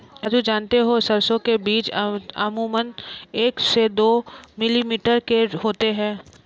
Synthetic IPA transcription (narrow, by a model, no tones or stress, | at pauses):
ɐd͡ʒud͡ʒaːnt̪eɦosɐɾsõkebiːt͡ʃɐ̰muːməneːksed̪oːmɪlimiːʈəɾkeɦoːt̪eɦɛ̃ː